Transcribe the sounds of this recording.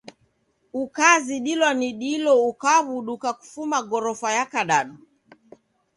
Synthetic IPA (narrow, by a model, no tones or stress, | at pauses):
ukaziɗilɔniɗilɔukaβuɗukaku̥fumaɡɔɾɔfajakaɗaɗu